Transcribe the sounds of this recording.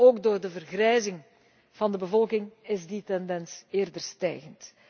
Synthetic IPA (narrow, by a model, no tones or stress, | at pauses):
oːɡdoːrdəvərɣrɛjzɪŋ | v̥ɑndəbəvɔlˠkɪŋɪzditɛndɛnseːrdərstɛ̰jɣənt